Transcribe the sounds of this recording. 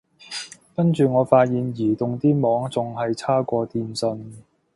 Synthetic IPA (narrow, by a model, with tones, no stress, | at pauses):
kɐ˥nt͡ʃyː˨ŋɔː˨˧˥faː˧t̚jiː˨njiː˨˩t̪ʊ˨ŋt̪iː˥mɔː˨˥ŋt͡sʊ˨ŋɦɐ˨jt͡sʰaː˥kʷɔː˧t̪iː˨nsɵ˧n